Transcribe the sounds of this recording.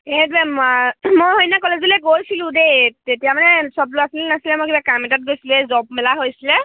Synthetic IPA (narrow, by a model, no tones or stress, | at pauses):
edbɛmamojɦojnakɔlezilɛɡojsilʊ̃dejtetijamanɛsɔbloasilinasilɛmojkibakamɛtat̚ɡojsiluɛzɔp̚mɛlaɦojsilɛ